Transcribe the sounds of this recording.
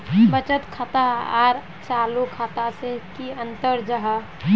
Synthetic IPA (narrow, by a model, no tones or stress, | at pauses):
bət͡ʃət̪kʰat̪aaɾ | t͡ʃaːlukʰaːt̪asekiənt̪əɾd͡ʒəɦa